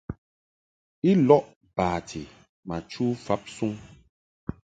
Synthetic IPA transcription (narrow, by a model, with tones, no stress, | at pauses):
i˦lɔ˦ʔ | paː˨tʰi˨ | ma˨t͡ʃu˦fa˦p̚su˦ŋ